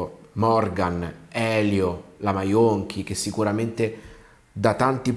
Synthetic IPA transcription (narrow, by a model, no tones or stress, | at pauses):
mɔrɡanɛːljolamajoŋk̟ʰik̟esːikuɾament̪e | d̪at̪ant̪ip